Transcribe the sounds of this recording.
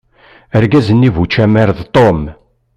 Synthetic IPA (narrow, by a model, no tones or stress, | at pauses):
əɾɡæzənːivut͡ʃːæmæɾðt̪ˤom